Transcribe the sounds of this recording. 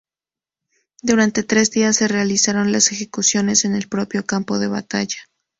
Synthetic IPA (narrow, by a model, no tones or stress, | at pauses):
d̪uɾant̪e̞t̪ɾe̞zðiasːe̞realisaɾo̞nlase̞xe̞kusjo̞ne̞se̞ne̞lpɾo̞pjo̞kampo̞ðe̞βa̰t̪a̰ʝḁ